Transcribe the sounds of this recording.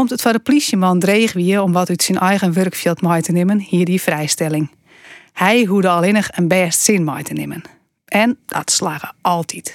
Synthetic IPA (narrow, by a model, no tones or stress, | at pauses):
kɔmtətfɔdəplisjəmɔndreːxʋiəɔmʋɔtytsinʔɛjɣənʋørkfjilˠtmɔjtənɪmənhiədifrɛjstɛlˠɪŋ | hɛjɦuədəɔlˠɪnəxənbɛːstsɪnmɔjtʰənɪmən | ʔɛnd̥ɔ̰tslaːɣəʔɔlˠtʰit